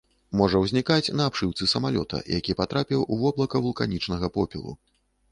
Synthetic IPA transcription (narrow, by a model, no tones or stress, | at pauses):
mɔʐɐwzʲnʲikat͡sʲnɐːpʂɨwt̪sɨsɐmalʲɔ̰t̪ʰɐ̰jakʲipat̪ɾapʲiwʔuvɔblˠɐkɐvulˠkanʲit͡ʂnɐɣɐpɔpʲḭlˠṵ